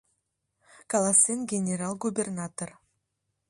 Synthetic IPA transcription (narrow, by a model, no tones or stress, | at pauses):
kalˠasʲenɡʲenʲeɾalˠɡubʲernat̪or